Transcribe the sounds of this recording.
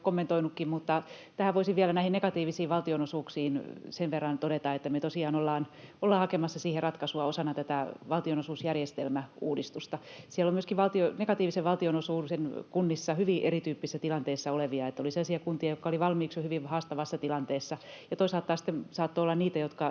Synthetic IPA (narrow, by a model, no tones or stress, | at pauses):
komːent̪oinukːimmut̪ːɑ | t̪æhæoisiʋiælænæihinnekɑt̪iːʋisiːʋʋɑlt̪ionosuːksiːnseʋʋerːɑnt̪odet̪ɑet̪ːæmeøt̪osiɑːnolːɑːnolːɑːhɑkemɑsːɑsiːherɑt̪kɑsuɑosɑnɑt̪æt̪æʋɑlt̪ionosuːsjærjest̪elmæuːdist̪ust̪ɑsiælːomyøskiʋʋɑlt̪ionekɑt̪iːʋiseʋʋɑlt̪ionosuːnsenkunːisːɑhyʋiʔerit̪yːpːisesːæt̪ilɑnt̪eːsːɑoleʋiɑet̪ːæoliselːɑsiɑkunt̪iɑjokːɑoliʋɑlmiːksjohyʋiʋhɑːst̪ɑʋɑsːɑt̪ilɑnt̪eːsːɑjɑt̪oisɑlt̪ːɑːsi̥t̪ːemsɑːt̪ːoolːɑnniːt̪æjot̪kɑ